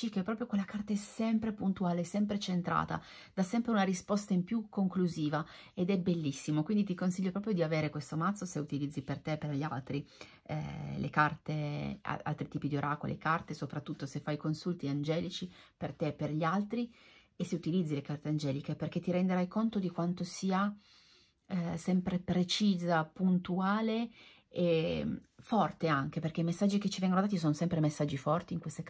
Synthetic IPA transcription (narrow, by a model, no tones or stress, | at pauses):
t͡ʃik̟epːɾɔːpɾjokwelːakart̪aɛsɛmpɾepunt̪uaːleɛsːɛmpɾet͡ʃent̪ɾa̰ːt̪a̰ | d̪asɛmpɾeunaɾispɔst̪aimpjukːoŋkluziːva | ed̪ɛbelːisːimokwind̪it̪ikonsiʎːopɾɔːpɾjod̪iaveːɾekwest̪omat̪sːoseut̪ilid̪zːipert̪epːerʎialt̪ɾḭ | lḛkart̪ea̰a̰lt̪ɾit̪iːpid̪ioɾʔakːolḛḛkart̪esopɾat̪ːut̪ːosefːajkonsult̪iand͡ʒɛːlit͡ʃipert̪eperʎialt̪ɾi | eseut̪ilid̪zːilekart̪eand͡ʒɛːlik̟eperk̟et̪ːiɾɛnd̪eɾajkont̪od̪ikwant̪osiːa | sɛmpɾepɾet͡ʃiːzapunt̪uaːle | e | fɔrt̪eaŋk̟eperk̟eimesːad͡ʒːik̟et͡ʃːivɛŋɡonod̪aːt̪isoːnosɛmpɾemesːad͡ʒːifɔrt̪iːŋkwest̪e